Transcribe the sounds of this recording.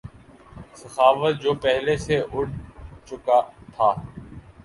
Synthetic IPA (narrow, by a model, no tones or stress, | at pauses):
səxaːʋət̪̚d͡ʒoːpɛɦleːseʔʊɽ̚t͡ʃʊkat̪ʰaː